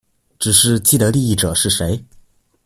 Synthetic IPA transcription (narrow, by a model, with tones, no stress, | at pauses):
ʈ͡ʂɻ̩˨˩ʂɻ̩˥˧t͡ɕi˥˩d̪ə˩li˥˧i˥˩ʈ͡ʂɤ˨˩ʂɻ̩˥˩ʂe˧˥ɪ